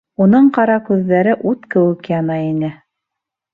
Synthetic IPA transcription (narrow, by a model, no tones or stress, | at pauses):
unɤɴqɑɾɑkʉðːæɾɘʔut̪kɘ̆wɘ̆kjɑnɑinɘ